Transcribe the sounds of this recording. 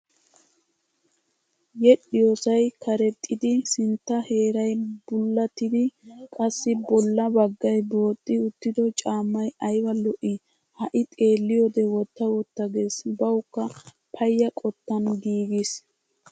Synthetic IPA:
jɛɗɪjosɐjkʰɐɾɛt̪ʼːɪd̪ɪsɪnt̪ːɐhe̞ːɾɐjbʊlːɐt̪ɪd̪ɪkʼɐsːɪbɔlːɐbɐɡːɐjbo̞ːt̪ʼːɪʊt̪ːɪd̪ɔt͡ʃʼaːmːɐjɐjwɐlɔʔɪ | hɐʔɪt̪ʼe̞ːlːɪjod̪ɛwɔt̪ːɐwɔt̪ːɐɡe̞ːsbɐwʊkːɐ | pʰɐjːɐkʼɔt̪ːɐnɡiːɡɪs

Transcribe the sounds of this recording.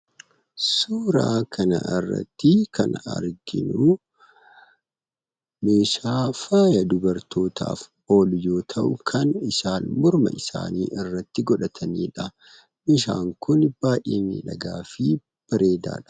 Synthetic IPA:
suːɾaːkʰɐnɐ̰ʔɪrːɐ̰t̪ːɪkʰɐ̰nɐ̰ɾɡɪ̰nʊ | me̞ːʃaːfaːjɐd̪ʊbɐɾt̪o̞ːt̪ʰa̰ːf | o̞ːljo̞ːt̪ʰɐʔʊkʰɐnɪsaːnmʊɾmɐ̰ʔɪsa̰ːniːʔɪrːɐt̪ːɪɡɔᶑɐt̪ʰɐniːᶑɐ | mɪʃ̬a̰ːŋkʊnb̥aːʔiːnɪ̰ᶑɐɡaːfɪ | b̥ɐɾe̞ːd̪a̰ːᶑɐ̥

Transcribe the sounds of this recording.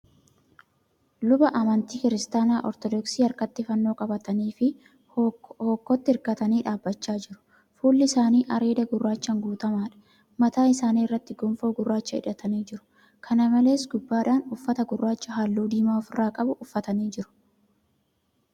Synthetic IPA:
lʊbɐʔɐmɐnt̪iːkɪɾɪst̪aːnaːʔɔɾt̪ɔd̪ɔksiːɐɾkɐt̪ːɪfɐnːo̞ːkʼɐbɐt̪ɐniːfɪ | hoːkːɔt̪ːɪɪɾkɐt̪ɐniːᶑaːbːɐt͡ʃːaːd͡ʒɪɾʊ̥ | fuːlːɪɪsaːniːʔɐɾe̞ːd̪ɐɡʊrːaːt͡ʃːɐŋɡuːt̪ɐmaːᶑɐ̥ | mɐt̪aːɪsaːniːɪrːɐt̪ːɪɡʊmfo̞ːɡʊrːaːt͡ʃːɐɪ̰ᶑɐt̪ɐniːd͡ʒɪɾʊ̥ | kʰɐnɐmɐle̞ːsɡʊbːaːᶑaːnʊfːɐt̪ɐɡʊrːaːt͡ʃːɐɦaːlːuːd̪iːmaːɔfɪraːkʼɐbʊʔʊfːɐt̪ɐniːd͡ʒɪɾʊ̥

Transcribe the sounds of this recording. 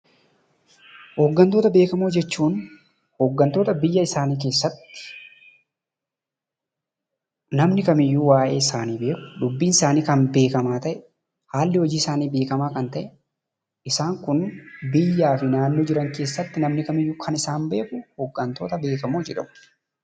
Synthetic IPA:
hɔɡːɐnt̪oːt̪ɐbe̞ːkɐmoːd͡ʒɛt͡ʃːuːn | hɔɡːɐnt̪o̞ːt̪ɐbɪjːɐɪsaːniːk̬e̞ːsːɐt̪ːɪ̥ | nɐmnɪkɐmɪjːuːwaːʔe̞ːɪsaːniːbe̞ːkʊ̥ᶑ̪ʊbːiːnɪsaːniːkɐnbe̞ːkɐmaːt̪ɐʔɛ | haːlːɪhɔd͡ʒiːɪsaːniːbe̞ːkɐmaːkɐnt̪ɐʔɛ | ɪsaːŋkʊnbɪjːaːfɪnaːnːoːd͡ʒɪɾɐŋke̞ːsːɐt̪ːɪnɐmnɪkɐmɪjːʊkʰɐnɪsaːmbe̞ːkʊhɔɡːɐnt̪o̞ːt̪ɐbe̞ːkɐmoːd͡ʒɛᶑɐmʊ

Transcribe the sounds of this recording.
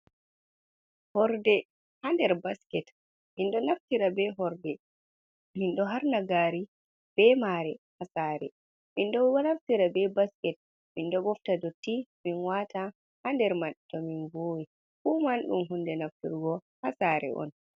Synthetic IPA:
hɔɾdɛ | handɛɾbaskɛt | minɗɔnaftiɾabɛɦɔɾdɛ | minɗɔɦaɾnaɡaːɾi | b̥ɛmaːɾɛhasaːɾɛ̰ | mindɔwanaftiɾabɛbaskɛt̚ | mindɔɡɔftadotːiminwaːta | handɛɾmaɗtɔminvoːwi | fumanɗṵmɦundɛnaftḭɾɡɔ | hasaːɾɛ̰ʔɔ̰n

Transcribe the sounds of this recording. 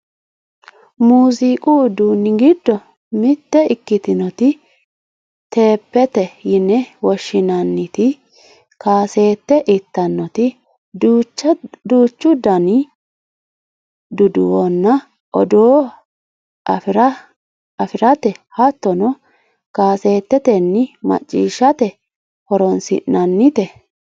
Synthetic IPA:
muːzikʼud̪uːnːɪɡɪd̪ːɔ | mɪt̪ːɛɪkːɪt̪ɪnɔt̪ɪ | t̪e̞ːpːɛt̪ɛjɪnːɛwɔʃːɪnɐnːɪt̪ɪ | kaːse̞ːt̪ːɛʔɪt̪ːɐnːɔt̪ɪ | t͡ʃːd̪uːt͡ʃːʊd̪ɐnɪ | d̪ʊd̪ʊwɔnːɐ | ɔ̰d̪oː | fɾɐ | ɐfɪɾɐt̪ɛhɐt̪ːɔnɔ | kaːse̞ːt̪ːɛt̪ɛnːɪmɐ̰t͡ʃʼːḭːʃːɐt̪ɛ | hɔɾɔnsɪ̰ʔnɐnːɪt̪ɛ

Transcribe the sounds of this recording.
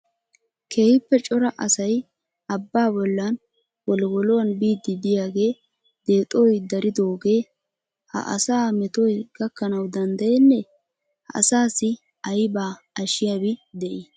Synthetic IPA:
kʰeːhɪpːɛt͡ʃʼɔɾɐʔɐsɐj | ʔɐbːaːbɔlːɐn | wɔlwɔlɔwɐnbiːd̪ːɪd̪ɪjaːɡe̞ː | d̪e̞ːt̪ʼɔjd̪ɐɾɪd̪oːɡe̞ː | hɐ̰ʔɐ̰saːmɛt̪ɔjɡ̥ɐkːɐnɐwd̪ɐnd̪ɐjenːɛ | hɐ̰ɐ̰saːsɪ | ɐjbaː | ɐʃɪjaːbɪd̪ɛʔi

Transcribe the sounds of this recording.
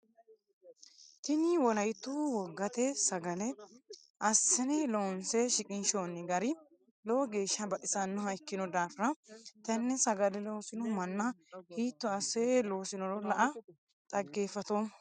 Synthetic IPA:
t̪ɪnɪwɔlɐjt̪ːuwɔɡːɐt̪ɛsɐɡɐlɛ | ʔɐsːɛnɛlonsɛʃɪkʼɪnʃoːnːɪɡɐɾɪ | loɡe̞ːʃːɐbɐʔɪsɐnːɔhɐjkːɪnɔd̪aːfɪɾɐt̪ɐnːɛsɐɡɐlɛloːsɪnɔmɐnːɐhiːt̪ːɔɐsːɛlo̞ːsɪnɔlɔlɐʔɐ | t̪ʼɐɡːe̞ːfɐt̪o

